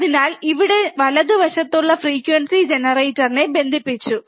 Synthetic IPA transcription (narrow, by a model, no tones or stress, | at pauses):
ðinaːliʋiɽe̞ʋɐlɐðɨʋɐʂɐt̪ːuɭːɐfriːkːʋɐɳsid͡ʑe̞nɐrejtːɐrne̞be̞nd̪ʱipːit͡ɕːu